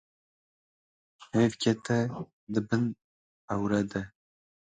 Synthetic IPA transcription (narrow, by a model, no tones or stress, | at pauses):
hevkʰɛt̪ɛ | d̪ɨbɨn | awɾɛd̪ɛ